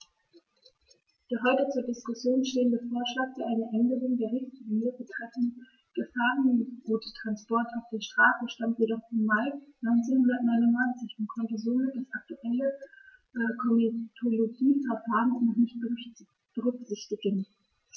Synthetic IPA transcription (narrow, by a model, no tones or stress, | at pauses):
d̥eːɐɦɔʏtət͡suːɐdɪskʊsjoːnʃteːəndəfoːɐʃlaːkfːɐʔaɪnəʔɛndəʁʊŋdeːɐʁɪçtɪɡnøːɐfətʁ̥ɛfn̩ | ɡ̥əfaːʁənʁuːttʁ̥anspɔɐtaʊfd̥eːɐʃtʁ̥aːsəʃtamtjedɔχfɔmːaɪnɔʏnt͡senhʊndɐtnɔʏnʊnnaɪnt͡sɪçʊntkʰɔntəzoːmɪt̚d̥asʔak̚tuʔɛlə | kʰɔmitʰoloɡiːfaɐfaːʁənʊtnɔχnɪçt̚b̥ | b̥əʁʏkz̥ɪçtɪɡən